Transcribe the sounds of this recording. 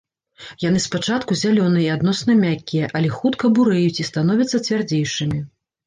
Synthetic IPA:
jan̪ɨspat͡ʂat̪kuzʲalʲɔnɨiad̪nɔsnɐmʲakʲːijɛʔɐlʲɛxut̪kɐbuɾɛjut͡sʲist̪anɔvʲɛɐt̪sːɐt͡sʲvʲard͡zʲejʂɨmʲi

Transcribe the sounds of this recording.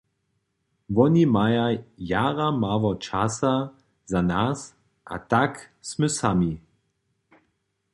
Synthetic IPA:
ʋɔnimajajaʁamaʋɔt͡ʃasa | zanas | ʔa̰t̪aksməsami

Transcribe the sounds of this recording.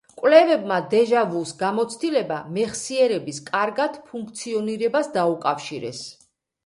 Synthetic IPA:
kʼwlɛvɛbmad̪ɛʒavusɡamɔt̪sʰt̪ʼilɛbamɛχsiɛɾɛbiskʼaɾɡad̪̥pʰuŋk̚ʰt̪sʰiɔniɾɛbasd̪aukʼafʃiɾɛ̰s

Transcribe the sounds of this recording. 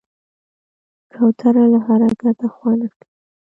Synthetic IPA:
kʰawt̪ʰaɾalahaɾaɡat̪axwanaki

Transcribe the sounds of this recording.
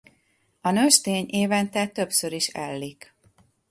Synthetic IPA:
ɒnøʃt̪eːɲʔeːvɛnt̪ɛt̪ø̞psøɾiʃɛ̰lːik

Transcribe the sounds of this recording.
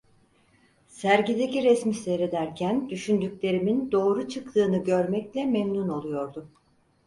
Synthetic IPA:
sæɾɟid̪eciɾɛsmisejɾed̪æɾcʰænd̪yʃynd̪ycʲlʲe̞ɾimind̪o̞ːɾut͡ʃʰɯkt̪ʰɯːnɯɟø̞ɾmɛclʲɛmemnuno̞lˠujo̞ɾd̪ʊ

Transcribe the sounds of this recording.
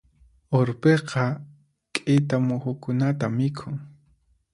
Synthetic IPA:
oɾpeqɑ | kʼɪt̪amʊxʊkʊnat̪amɪkʰʊŋ

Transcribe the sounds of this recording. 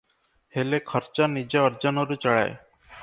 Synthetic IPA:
helekʰəɾt͡ʃanid͡ʒaəɾd͡ʒənoɾut͡ʃəɭa̰e

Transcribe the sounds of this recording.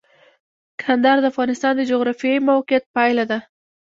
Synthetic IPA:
kʰand̪aɾd̪əafɣɑnɪst̪ɑnd̪əd͡ʒoɣɾɑfijɑjmawqijat̪̚pajlad̪a

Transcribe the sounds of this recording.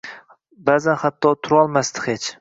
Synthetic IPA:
baːzanhat̪ʰːɒt̪ʰʊɾɒlˠmast̪ɪ̥het͡ʃ

